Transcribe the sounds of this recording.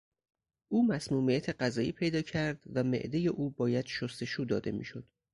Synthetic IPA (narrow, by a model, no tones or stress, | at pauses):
ʔuːmæsmuːmijæt̪ʰeɢæzɒːʔiːpʰe̞jd̪ɒːcʰæɾd̪̥væmḛʔd̪eje̞ʔuːbɒːjæd̪̥ʃost̪e̞ʃuːd̪ɒ̰ːd̪e̞̰mḭːʃo̞d̪̥